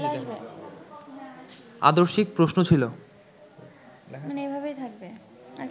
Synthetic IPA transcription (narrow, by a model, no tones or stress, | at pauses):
abe | a̰d̪oɾʃik̚pɾosnot͡ɕʰilo | aneejbʱabejt̪ʰak̚be | a